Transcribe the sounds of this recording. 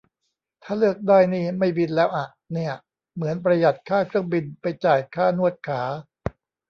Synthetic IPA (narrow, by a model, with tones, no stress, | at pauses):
t̪ʰaː˥˩lɯ˥˩ək̚daː˥˩jniː˥˩ma˥˩jbi˧nlɛː˦˥wʔa˨˩ʔniː˥˩ɐ | mɯ˩˦ənpɾa˧ja˨˩t̪̚kʰaː˥˩kʰɾɯ˥˩əŋbi˧npa˧jt͡ɕaː˨˩jkʰaː˥˩nu˥˩ət̪̚kʰaː˩˦